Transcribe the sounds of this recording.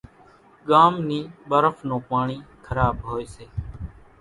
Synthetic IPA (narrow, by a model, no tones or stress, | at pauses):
ɠaːmniːɓəɾəfnõːpaːɳiːkʰəɾaːɓɦoːeːseː